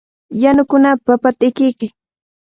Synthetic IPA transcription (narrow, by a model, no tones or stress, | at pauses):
janʊkʊnapapat̪ɪkɪjkɪ